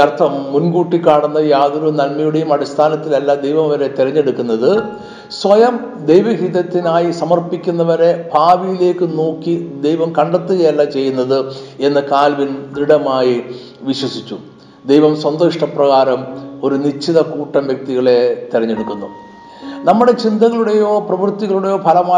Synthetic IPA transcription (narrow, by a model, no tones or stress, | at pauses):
ɐrt̪ʰɐmːunɡuːʈːikːaːɳunːɐjaːðuɾunɐlmɐjuɽejumɐɽist̪ʰaːnɐt̪ːilɐlːad̪e̞jʋɐmʋɐɾe̞t̪iɾɐɲːe̞ɽukːunːɐðɨ | sʋɐjɐm | d̪ejʋɐɦiðɐt̪ːinaːjisɐmɐrpikʲːunːɐʋɐɾe̞bʱaːʋijile̞ːkːɨnoːkːid̪ejʋɐmkɐɳɖɐt̪ːuɣɐjɐlːɐt͡ɕe̞jːunːɐðɨe̞nːɨkaːlʋind̪iɽɐmaːji | ʋiɕwɐsit͡ɕːu | d̪ejʋɐmswɐnd̪oʂʈɐprɐɣaːɾɐmo̞ɾunit͡ɕʰːiðɐkuːʈːɐmʋjɐk̚t̪iɣɐɭe̞t̪irɐɲːe̞ɽukːunːu | nɐmːuɽe̞t͡ɕind̪ɐɣɐɭuɽe̞jo̞ːprɐʋɨrt̪ːiɣɐɭuɽe̞jo̞ːpʰɐlɐmaː